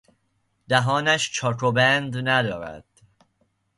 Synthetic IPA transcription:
d̪̥æɦɒːnæʃt͡ʃʰɒːkʰobænd̪næd̪ɒːɾæ̰d̪̥

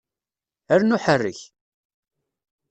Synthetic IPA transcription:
æɾnʊħərːəç

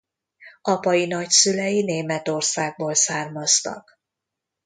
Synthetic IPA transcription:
ɒpɒjinɒcsylɛjineːmɛt̪o̞rsaːɡ̚boːlsaːrmɒst̪ɒ̰k

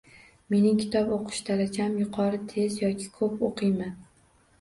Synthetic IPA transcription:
me̞nɪŋkʲʰɪ̥t̪ʰɒpoqʰɨ̥ʃt̪ʰalat͡ʃʰamjʊqʰɒɾɪt̪ʰe̞zjɒkʲʰɪ̥kʰɵpoqʰɨjman

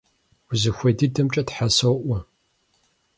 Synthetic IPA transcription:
zɨxʷɐdidɐmt͡ʃʼɐtħasowʔʷɔ

